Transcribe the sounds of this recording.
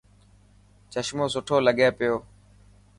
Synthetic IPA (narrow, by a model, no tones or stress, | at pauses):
t͡ʃəʃmoːsʊʈʰoːləɠeːpɪjoː